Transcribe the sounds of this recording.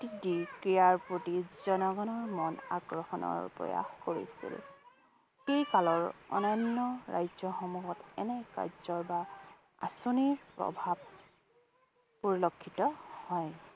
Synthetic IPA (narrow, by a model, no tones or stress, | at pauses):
tidiɹkɹijaɹpɹotizɔnɔɡɔnɔɹmɔna̰kɹɔxɔnɔ̰ɹpɹɔ̰ja̰xkoɹḭsḭl | xejkalɔɹɔ̰nɔjnːɔɹa̰jzɔxɔmuɦɔtɛnɛka̰ɹzɔɹba | a̰soniɹpɹɔ̰bʱab̚ | poɹilokʰːitɔhɔj